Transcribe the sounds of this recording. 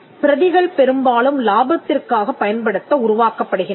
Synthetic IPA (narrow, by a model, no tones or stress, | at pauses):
pɪɾɐðɪɣɐɭpɛɾɯmbaːlɯmlaːbɐt̪ːɪrkaːɣɐpːɐjɐnpɐɽɯt̪ːɐʊɾʊʋaːkɐpːɐɽɯɣɪn